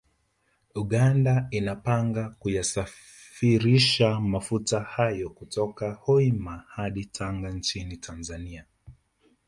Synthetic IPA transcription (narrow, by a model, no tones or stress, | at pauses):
uɠandainapaŋɡakujasa | fiɾiʃamafutahajɔkutɔkahɔimahaɗitʰaŋɡant͡ʃinitʰanzania